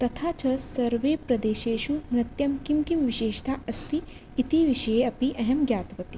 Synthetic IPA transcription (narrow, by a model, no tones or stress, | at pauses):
t̪ɐt̪ʰaːt͡ʃɐsɐɾʋeːpɾɐd̪eːʃeːʃunɾɐt̪jɐmkimkimʋiʃeːʃt̪ʰaːʔɐst̪iː | t̪iʋiʃɐjeɐpiʔɐɦɐmɡjaːt̪ʋɐt̪i̥